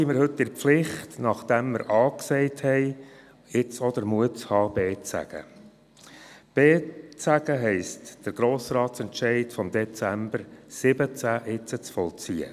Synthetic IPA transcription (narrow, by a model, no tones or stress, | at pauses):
iːmɪɾhɵtːɪɾflɪχtnɑχd̥̪ɛmːəɾʔɑːksɛɪthɛɪ | ɪt͡sɔd̪əɾmuət͡shɑːb̥eːt͡sæ̰ɡ̥ə̰ | b̥eːt͡sæɡ̥əɦɛɪstd̥əɾɡ̥ɾoːsɾɑːtt͡sɛntt͡ʃɛɪtfɔmd̪ɛt͡sæmbəɾsɪbət͡sæːʔɪt͡sət͡sfɔlt͡siə̰